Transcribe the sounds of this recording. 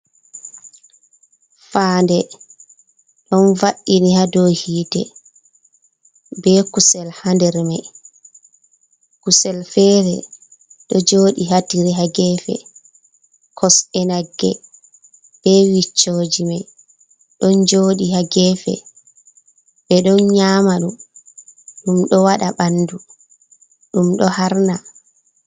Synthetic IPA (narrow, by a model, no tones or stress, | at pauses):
faːndɛ | ɗɔnvaɗːinihadohiːdɛ̰ | bɛkusɛlhandɛɾmaj | kusɛlfɛːɾɛ̰ | ɗɔd͡ʒoːɗiɦatiɾiɦaɡɛfɛ̰ | kʰɔsɛnaɡːɛ̰ | b̥ɛwit͡ʃːoːd͡ʒimaj | ɗɔnd͡ʒoːɗihaɡɛfɛ̰ | bɛɗɔnɲaːmaɗum | ɗumɗɔwaɗaɓandu | ɗumɗɔhaɾna